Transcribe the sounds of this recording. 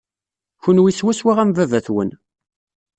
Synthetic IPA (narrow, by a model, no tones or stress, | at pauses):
çunwiswæswæʁæmvævæθwə̰n